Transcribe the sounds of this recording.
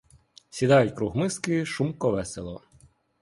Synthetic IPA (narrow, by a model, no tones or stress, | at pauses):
sʲid̪ɑjʊtʲkɾuɦmɪskɪʃumkɔʋɛselˠɔ̰